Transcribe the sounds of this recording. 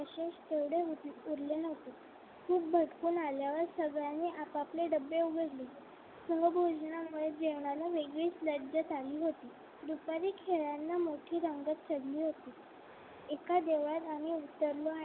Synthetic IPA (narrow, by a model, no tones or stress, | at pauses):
əɕeɕt̪eʋɽeuɾlenot̪e | kuːk̚bʱəʈkuːnaljaʋəɾsəɡɭjaniʔapapleɖəbːeuɡəɾliː | səɦbʱod͡znamuɭed͡ʑeʋɳalaʋeɡɭiːt͡sləɾd͡ʑət̪aliːɦot̪iː | d̪upaɾiːkʰeɭjanːamoʈʰiːɾəŋɡat̪̚t͡ɕʰəɽliːɦot̪iː | ekad̪eʋɭjat̪aɽ̃iut̪ːəɾlo